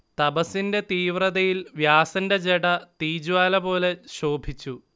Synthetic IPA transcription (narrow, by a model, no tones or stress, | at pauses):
t̪ɐbɐsinde̞t̪iːʋrɐðɐjilʋjaːsɐnde̞d͡ʑeɽɐt̪iːd͡ʑuʋaːlɐbo̞ːle̞ɕo̞ːbʱit͡ɕːu